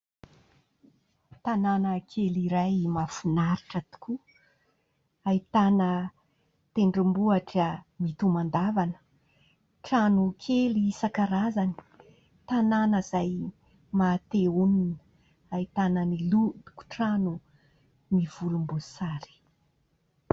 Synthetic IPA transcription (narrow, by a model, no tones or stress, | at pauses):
t̪ananəkʰeliɾajmafunaɾiʈ͡ʂat̪u̥ku | ait̪anə | t̪eɳɖ͡ʐimbuaʈ͡ʂəmit̪umand̪avanə̥ | ʈ͡ʂanukʰelisakaɾazani̥ | t̪ananəzaj | mat̪euninə | ait̪anənilut̪u̥ku̥ʈ͡ʂanu | miv̥ulumbusaɾi̥